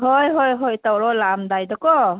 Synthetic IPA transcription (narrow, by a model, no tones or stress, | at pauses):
ɦɔjɦɔjɦɔjtawɾɔlamdajdɔkɔ